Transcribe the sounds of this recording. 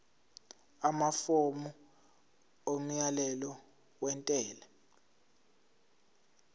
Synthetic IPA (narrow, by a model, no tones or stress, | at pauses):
amafomu | om̩jalɛlɔ | wɛntʼɛːla